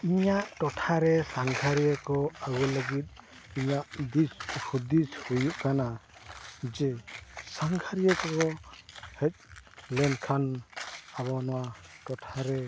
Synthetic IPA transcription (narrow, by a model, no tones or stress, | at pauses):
iɲaʔʈɔʈʰaɾɛsaŋɡʰʱaɾijakɔaɡɔləɡit̪̚ | iɲaʔd̪iskʰud̪id͡ʒhujuʔkana | d͡ʒɛsaŋɡʰaɾijəkɔkɔhec̚ˀlɛnkʰanaβɔnɔwaʈɔʈʰaɾɛ